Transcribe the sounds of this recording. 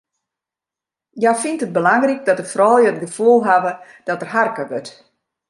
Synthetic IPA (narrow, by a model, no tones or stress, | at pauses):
jafintət̚bəlaŋrik̚dɔtəfrɔːlˠjəətɡəfulˠɦaʋə | d̥ɔtərɦarkəʋøt